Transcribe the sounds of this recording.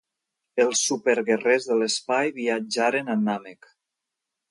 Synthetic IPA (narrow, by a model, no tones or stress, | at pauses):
elˠsːupeɾɣerezðelespajβiad͡ʒaɾenanamek